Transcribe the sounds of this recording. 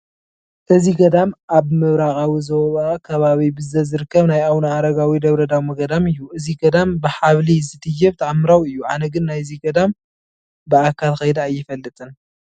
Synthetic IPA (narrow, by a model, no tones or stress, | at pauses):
ʔɨziɡɐd̪amʔaβmɨβɾaxʼawizoββakʰɐβaβibɨzɐzɨɾɨkːɐβnajawnaːɾɐɡawid̪ɐβɾɐd̪awmɐɡɐd̪amɨjːuʔɨziɡɐd̪ambɨħaβlizɨt̪ɨjɛβt̪ʰaʕamːɨɾawɨjːuʕa̰nɐɡɨnːajziɡɐd̪am | bɨakʰalxɐjd̪aːjːɪfɐlːɨt̪ʼɨn